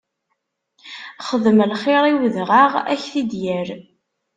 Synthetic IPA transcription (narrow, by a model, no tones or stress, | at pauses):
χəðəmlχeɾˤiwðʁaʁæ̰çθid̪jəɾ